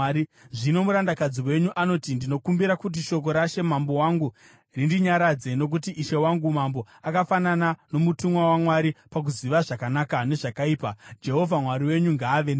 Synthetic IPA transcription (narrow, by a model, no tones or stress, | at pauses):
iʐino̞muɾandakad͡ziwe̞ɲuʔano̞tindino̞kumbiɾakut̬iʃo̞k̬o̞ɾaʃe̞mambo̞waŋɡu | rindiɲaɾad͡ze̞no̞k̬utiʔːʃe̞waŋɡumambo̞ | akafananano̞mutumwawamwaɾipak̬uziʋaʐakanakane̞ʐakaiːpad͡ʒe̞ɦo̞vʱamwaɾiwe̞ɲuŋɡaːʋen